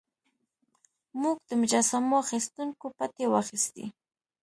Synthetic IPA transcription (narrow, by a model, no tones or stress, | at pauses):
mʊk̚t̪amʒasamʊaχɪst̪ʊŋkʊpat̪ewaχɪst̪ɪ̰